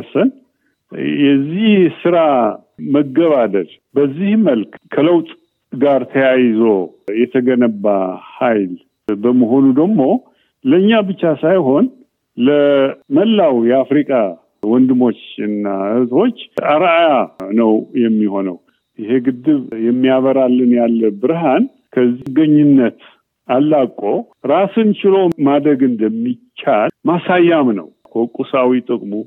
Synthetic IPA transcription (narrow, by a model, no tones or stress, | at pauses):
sən | jɛzːihsɨɾa | məɡəβad̪əl | bəzːihməlkkʰələwt̪ʼ | ɡaɾt̪ʰəjajzo̞jɛt̪ʰəɡənəbːahajl | bəməɦo̞nud̪əɡmo̞ | ləɨɲːabɨt͡ʃːasajɦo̞n | ləməlːawjɛafɾikʼa | wɔnd̪ɨmo̞t͡ʃːɨnːahɨzʼo̞t͡ʃːʔaɾajanəwjɛmːiho̞nə̰w | ʔɪhe̞ɡɨd̪ːɨβjɛmːijaβəɾalːɨnjalːəbɨɾɦan | kʰəzːiɡəɲːɪnːət̪ | alːakʼːo̞ | ɾasɨnt͡ʃɪlo̞mad̪ɾəɡɨnd̪əmːit͡ʃːalmasajːamnə̰wkʰokʼːusawit̪ʼɨkʼmu